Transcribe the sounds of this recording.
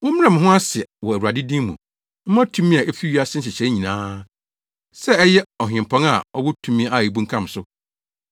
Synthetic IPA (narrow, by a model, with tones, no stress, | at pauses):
mʊ̃˦mɪ˦ã˨m̃˨ɦʊ̃˦a˦sɪ˨ɛ˨wɔ˨æ˨u˨a˨dɪ˦dĩ˦mṵ̃˨ | m̩˦mã˦tʰũ˦mĩ˦a˨ʔe˦fi˦ɥi˦a˦˨sɪ̃˦n̩˦ɕɪ˨t͡ɕʰɛ˨˦ɲĩ˨nãː˦ | sɛ˦ɛ˦jɛ˦ɔ˨ɦᶣɪ̃˨m˨pʰɔ̃˦ŋa˨ɔ˦wɔ˦tʰũ˦mĩ˦a˨e˨bũ˦ŋ̩˦kʰã˦˨m˨sʊ˦